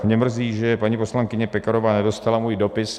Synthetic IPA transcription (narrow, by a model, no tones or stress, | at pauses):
mɲɛmr̩ziːʒɛpaɲipo̞slaŋkɪɲɛpɛkaɾovaːnɛdo̞st̪alamuːjdo̞pɪs